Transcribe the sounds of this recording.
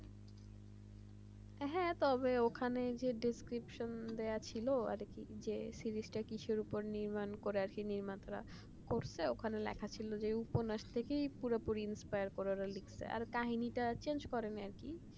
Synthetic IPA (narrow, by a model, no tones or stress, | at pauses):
ɦɛ̃t̪ɔbeokʰaned͡ʑeɖiskɾipʃond̪eat͡ɕʰiloa̰ɾkid͡ʑesiɾisʈakiʃʰeɾupoɾniɾmankoɾeaɾkiniɾmant̪aɾa̰ | koɾsʰeokʰanelɛ̰kʰat͡ɕʰilod͡ʑeuponaʃt̪ʰekejpuɾapuɾiinspajaɾkoɾaɾalikʰsʰḛa̰ɾkaɦiniʈat͡ɕend͡ʑkɔɾenaɾki